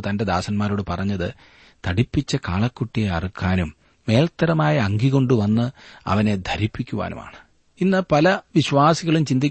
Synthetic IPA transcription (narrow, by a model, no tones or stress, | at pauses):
t̪ɐnde̞d̪aːsɐnmaːɾoːɽɨpɐrɐɲːɐðɨ | t̪ɐɽipːit͡ɕːɐkaːɭɐkːuʈːijeɐ̰rikʰːaːnumː | e̞ːlɐt̪ːɐɾɐmaːjɐɐŋɡiɣo̞ɳɖuʋɐnːɨɐ̰ʋɐne̞d̪ʱɐɾipːikʲːuʋa̰ːnṵma̰ːɳɨ | inːɨpɐlɐʋiɕʋaːsiɣɐɭumt͡ɕind̪ikʲː